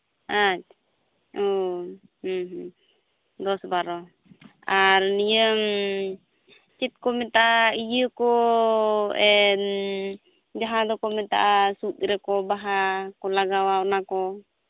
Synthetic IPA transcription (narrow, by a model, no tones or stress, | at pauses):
at͡ʃ̚ | ɔ | hɦ | d̪ɔsbaɾɔ | aɾnijəm | t͡ʃit̪̚kɔmɛt̪aʔaijəkɔ | ɛn | d͡ʒaɦad̪ɔkɔmɛt̪a̰ʔasut̪̚ɾɛkɔbaɦakɔlaɡawaɔnakɔ